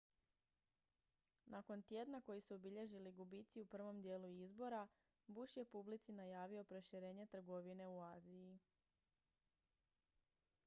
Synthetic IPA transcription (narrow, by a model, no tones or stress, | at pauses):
nʔako̞nt̪je̞d̪nako̞jisuobiʎe̞ʒiliɡubit̪siupr̩ʋo̞md̪je̞ːluizbo̞ɾa | buʃje̞publit̪sinajaːʋio̞pɾo̞ʃiɾe̞ːɲe̞t̪r̩ɡo̞ʋine̞uaːziji